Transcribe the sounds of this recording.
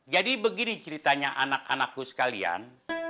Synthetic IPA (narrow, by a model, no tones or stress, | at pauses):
d͡ʒadibəɡinit͡ʃəɾit̪aɲaʔanakanakːusə̥kalia̰n